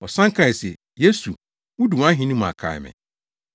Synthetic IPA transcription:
ɔ˨sã˦ŋ˦kʰa˨sɛ˨ | je˦su˨ | wʊ˦du˨wã˦ɦĩ˦nũ˦m̃˨a̰˨kʰa̰˨ɛ̰˨mɪ̰̃˨

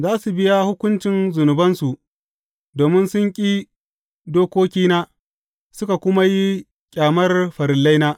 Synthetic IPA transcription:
zaː˦su˨bɪ˦ja˦hʊ˦kʷʊ˦nt͡ʃɪ˨˦nzʊ˨nʊ˨bɐ˦nsu˨ʔ | doː˨mɪ˦nsʊ˦ŋkʲʼiː˦ | doː˦kʷoː˦kʲiː˦naː˦ | sʊ˦ka˨kʷʊ˦ma˦ji˦ | kʲʼaː˨mɐ˦rɸɐ˨ɾɪ˨lːa˦jnaː˦

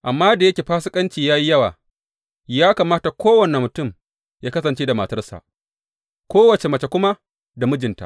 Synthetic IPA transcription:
ʔa˨mːaː˦da˨jɐ˦kʲeː˨ɸaː˦sɪ˦kʼɐ˦nt͡ʃiː˨jaː˦ji˦jɐ˦wa̰ː˨ | jaː˦kaː˨maː˦ta˨kʷoː˦wɐ˨ne˨mʊ˨tʊ˦˨m | jaː˦kɐ˦sɐ˨nt͡ʃeː˦da˨mɐ˨tɐ˦rsa̰˨ʔ | kʷoː˦wɐ˨t͡ʃe˨mɐ˨t͡ʃe˨kʷʊ˦ma˦ | da˨mʊ˦d͡ʒɪ˨nta̰˦

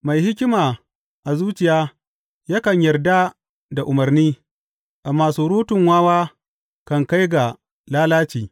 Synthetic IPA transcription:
ma˨jhɪ˦k̬ʲɪ˦maː˨ | ʔa˨zuː˦t͡ʃɪ˨jaː˦ | jaː˦kɐ˨ɲjɐ˨rda˦ | da˨ʔʊ˨mɐ˨rniː˦ | ʔa˨maː˨suː˦ɾuː˦tʊ˨ŋwaː˦waː˦ | kɐ˨ŋka˦jɡa˨ | laː˦laː˦t͡ʃiː˨

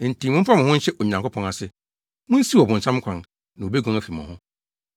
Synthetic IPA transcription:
n̩˨tʰĩ˨mʊ̃˦m̩˦pʰa˦m̃˨hʊ̃˦ɕɛ˦ʔo˨ɲã˨ŋkʰʊ˦pʰɔ̃˦na˨sɪ˦ | mʊ̃˦n̩˦si˦ɔ˨bʊ̃˨n̩˨sʰã˦m˦kʰã˨n | nã˨o˨be˦ɡɔ̃˨ŋæ˨fi˨mã̰˨hʊ̃˦

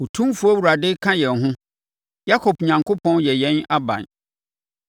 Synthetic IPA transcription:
ʊ˨tʰũ˦fu˦ɔ˦wu˨ɾa˨dɪ˦kʰã˦jɛ̃˨n˨ɦʊ̃˦ | ja˦kʰɔ˨pɲã˨ŋkʰo˦pʰɔ̃˦njɛ˨jɛ̃˨˦na˦bã̰˨n

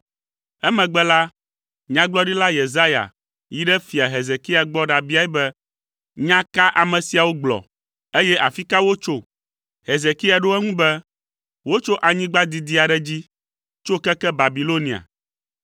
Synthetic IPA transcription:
ɛ˦mɛ̃˨ɡ͡bɛ˦la˦ | ɲã˦ɡ͡blɔ˦ɖi˦la˦je˨za˦ja̰˨ | ji˦ɖɛ˦fi˨a˨ɦe˨ze˨ki˦a˨ɡ͡bɔ˦ɖa˨bi˦a˦ɛ˦bɛ˦ | ɲã˦ka˦ʔa˨mɛ̃˨si˨a˨wo˦ɡ͡blɔ̰˨ | e˦jɛ˦ʔa˨fi˦ka˦wo˦t͡ʃo˦ | ɦe˨ze˨ki˦a˨ɖo˦ɛ˦ŋũ˦bɛ˦ | wo˦t͡ʃo˦ʔa˨ɲĩ˦ɡ͡ba˦d̪i˨d̪i˦a˨ɖɛ˦d͡ʑi˦ | t͡ʃo˦kɛ˦kɛ˦ba˨bi˨lo˦nĩ˨a̰˨

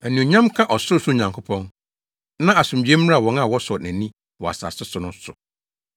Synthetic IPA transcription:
æ˨nĩ˨o˨ɲã˦mkʰã˦ʔɔ˨sʊ˦ɾsʊ˦˨ɲã˨ŋkʰʊ˦pʰɔ̃˦n | nã˦a˨sʊ̃˨md͡ʑi˨˦ɛ̃˦m˦ɾa˦a˨wɔ̃˨na˨wɔ˦sɔ˨næ̃˨nĩ˦ | wɔ˨a̰˨sa̰˨sɪ˦sʊ˨nʊ̃˦sʊ˨

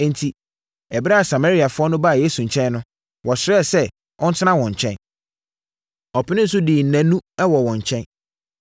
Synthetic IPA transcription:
n̩˨tʰi˨ | ɛ˨bɪ˦ɾa˦a˨sa˨ma˦ɾi˨a˨fʊ˦ɔ˦nʊ̃˦ba˦˨je˦su˨ɲ̩˨t͡ɕʰɛ̃˦n˦nʊ̃˦ | wʔɔ˨sɪ˨ɾɛ˦˨sɛ˦ | ʔɔ̃˦n̩˦tʰɪ˦nã˦wɔ̃˨ɲ˨t͡ɕʰɛ̃˦n | ɔ˨pʰɪ˦nɪ̃˦n̩˦s̬ʊ˦diː˨n̩˨næ̃˨˦nũ˦ɛ˦wɔ˨wɔ̃˨ɲ˨t͡ɕʰɛ̃˦n

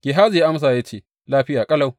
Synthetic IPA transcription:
ɡ̥ʲeː˨ɦaː˦d͡ʒja˦ʔa˦ms̬aː˨ja˦t͡ʃeː˦˨ | laː˦ɸɪ˦jaː˨kʼɐ˦la˦˨w

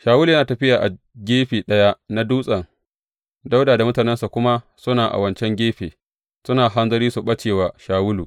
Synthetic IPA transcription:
ʃaː˨wʊ˦lu˨˦jɐ˦naː˨tɐ˨ɸɪ˦jaː˨ʔa˨ | ɡʲeː˦ɸiː˨ɗɐ˦ja˦ʔna˦duː˦sʼɐ˨ŋ | da˦wdaː˨da˨mʊ˦taː˨nɛ˦nsa˨kʷʊ˦ma˦ | sʊ˦naː˨ʔa̰˨wɐ˦nt͡ʃɛ˦ŋɡʲeː˦ɸeː˨ | sʊ˦naː˨ɦa˦nzɐ˦ɾiː˦su˨ɓɐ˦t͡ʃeː˨waː˨ʃaː˨wʊ˦luː˨

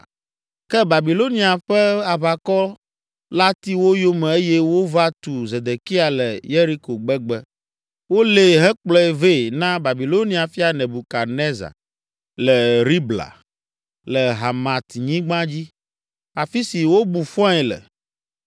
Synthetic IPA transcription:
kɛ˦ba˨bi˨lo˦nĩ˦a˨ɸɛ˦a˨βa˨kɔ˦ | la˦t̪i˦wo˦jo˦mɛ̃˨e˦jɛ˦wo˦va˦t̪u˨ze˨d̪e˨ki˦a˨lɛ˨je˦ɾi˦ko˨ɡ͡bɛ˦ɡ͡bɛ˦ | wo˦le˦ɦɛ˦k͡plɔ˦ɛ˦˨ve˦˨nã˦ba˨bi˨lo˦ni˦a˨fi˦a˨nɛ̃˨bu˨ka˨nɛ˦za̰˨ | lɛ˨ɾi˦bla̰˨ | lɛ˨ɦa˨mã˨t̪ɲĩ˦ɡ͡bã˦d͡ʑi˦ | a˨fi˦si˨wo˦bu˨fɔ̃˦ɛ˨lɛ̰˨

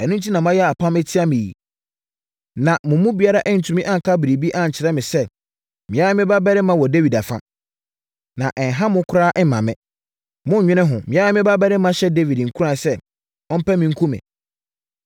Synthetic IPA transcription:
ɛ˨nũ˦n̩˦tʰi˦nã˨m˦ã˦jɛ˦a˨pʰã˦mɛ˦tʰi˦a˦mɪ̃˨jḭ˨ | nã˨mʊ̃˨˦mũ˦bi˨a˦ɾa˦ʔɛ˦n̩˨tʰũ˨mĩ˦ʔã˦˨ŋ˨kʰa˦bɪ˨ɾe˨bi˦ʔã˦˨ɲ̩˨t͡ɕʰɪ˨ɾɛ˦mɪ̃˨sɛ˦ | mɪ̃˨a˦mɪ̃˦ba˦bɛ˦ɾɪ˦mã˦wɔ˨de˦vi˨da˨fã̰˦ | nã˨ʔɛ˨n̩˨ɦã˦mʊ̃˦kʰʊ˦ɾa˦ʔɛ˦mã˨mɪ̰̃˨ | mʊ̃˦˨ɲᶣɪ̃˦nɪ̃˦ɦʊ̃˨mɪ̃˨˦a˦ɛ˦mɪ̃˦ba˦bɛ˦ɾɪ˦mã˦ɕɛ˦de˦vi˨dŋ̩˨kʰu˦ɾã˨sɛ˦ | ɔ̃˦m̩˦pɛ˦mĩ˨ŋ̩˦kʰũ˦mɪ̰̃˨

